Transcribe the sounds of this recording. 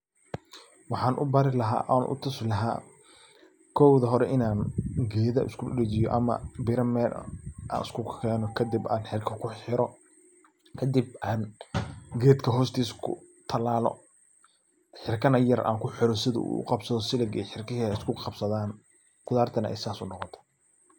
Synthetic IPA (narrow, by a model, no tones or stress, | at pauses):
wɑħɑːnʔʊ̰baɾɪlɐɦa̰ːʔaːnʔʊ̰t̪ʰʊslɐɦa̰ː | kʰɔwðɐɦɔɾɛʔɪnaːnɡɛːðɐʔɪ̰skʰʊɗɛt͡ʃɪjɔ̰ʔɐ̰mɐ̰bɪɾɐmɛːlʔa̰ːnɪ̰skʰʊɛːnɔkʰɐd̪ɪbaːnħɪrkʰɐkʰʊħɪɾɔ | kʰɐd̪ib̚ʔaːn | ɡɛːd̪kʰɐɦɔːst̪ʰiːskʰʊ̰ | t̪ʰɐlaːlɔ̰ | ħɪrkʰɐnɐjɐrʔa̰ːŋkʰʊħɪɾɔsɪðɐ̰ṵːʊ̰qɑbsɐðɔsɪlɐɡɛħɪrkɪɦɛɛɪskʰʊqɑb̥sɐðaːn | kʊðaːrt̪ʰɐnɐɛ̰jsaːsʊnɔqɔt̪ʰɔ̥